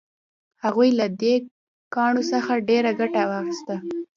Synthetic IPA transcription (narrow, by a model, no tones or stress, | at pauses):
haɣujlad̪e | kɑɳosəxaɖeɾaɡaʈawɑxɪst̪a